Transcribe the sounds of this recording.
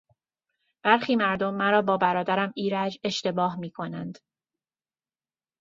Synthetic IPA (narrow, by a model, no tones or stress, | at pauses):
b̥æɾxiːmæɾd̪o̞mːæɾɒːbɒːbæɾɒːd̪æɾæmiːɾæd͡ʒe̞ʃt̪e̞bɒːhmiːkʰo̞nænd̪̥